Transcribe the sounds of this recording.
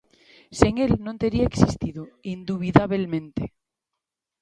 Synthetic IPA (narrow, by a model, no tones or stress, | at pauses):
seŋelnõnt̪eɾiaeksist̪iðoind̪uβ̞iðaβelmẽnt̪e